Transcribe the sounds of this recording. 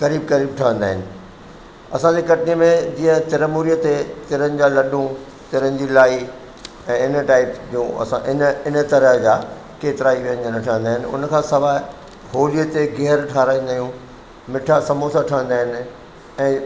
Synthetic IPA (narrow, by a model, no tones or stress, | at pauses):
kɐɾiːb̚kɐɾiːb̚ʈʰɐʋə̃nd̪aːɦɪnɪ̆ | ɐsãd͡ʑekɐʈʰəniəmẽd͡ʑĩːə̃t̪ɪɾəmuːɾijət̪et̪ɪɾənɪ̆d͡ʑaːlɐɗũ | t̪ɪɾənɪ̆d͡ʑiːlaːi | ɛ̃ːɪnʈaːɪpd͡ʑũːɐ̰sã̰ʔɪnɪnə̆t̪ɐɾəɦd͡ʑaː | keːt̪ɪɾaːiʋijənɪ̆d͡ʑənəʈʰəʋə̃nd̪aːɦɪnɪ̆ʊ̰nə̆kʰãːsɐʋaː | ɦoːlijət̪eɡɛɦɾʈʰaːɾaːĩːn̆d̪aːijũ | mɪʈʰasɐmoːsaʈʰɐʋə̃nd̪aːɦɪnɪ̆ | ɛ̃ː